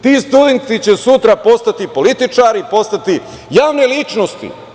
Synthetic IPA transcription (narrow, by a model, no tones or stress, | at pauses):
t̪ist̪ud̪ent̪it͡ɕesut̪ɾapo̞st̪at̪ipo̞lit̪it͡ʂaːɾipo̞st̪at̪i | jaːʋnelit͡ʃnost̪ḭ